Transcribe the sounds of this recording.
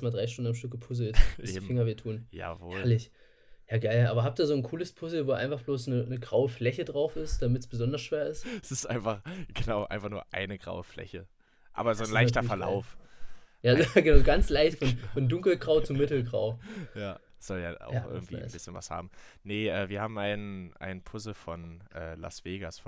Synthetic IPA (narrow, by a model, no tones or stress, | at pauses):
smaːdʁaɪʃtʊndn̩amʃtʏk̚ɡ̥əpʰʊz̬l̩tɪsifɪŋɐveːɐtʰuːnja̰ːvoːhːɛlɐlɪç | jaːɡaɪlʔaːbɐɦap̚tiːɐzoːnkʰuːləspʰʊzl̩voːʔa̰ɪnfaχb̥loːsnənəɡʁaʊəflɛçədʁaʊfɪstd̥amɪtsb̥əzɔndɐsʃv̥eːɐɪstsɪstʔaɪnfaχɡ̥ənaʊʔa̰ɪnfaχnuːɐʔa̰ɪnəɡʁa̰ʊəflɛ̰çə | ʔa̰ːbɐzoːnlaɪçtɐfɛɐla̰ʊfjaːɡənaʊzɡant͡slaɪçtfɔnfɔndʊŋkl̩ɡʁaʊt͡sumɪtl̩ɡʁa̰ʊjaː | z̥ɔlja̰ːa̰ʊxʔɪ̰ɐɡŋ̩tv̥ḭːnbɪsçənva̰sha̰ːbm̩nəʔɛːviːɐhaːbm̩ʔaɪnənʔa̰ɪnənpʰʊzl̩fɔnʔɛ̰ːla̰sv̥eːɡasfɔ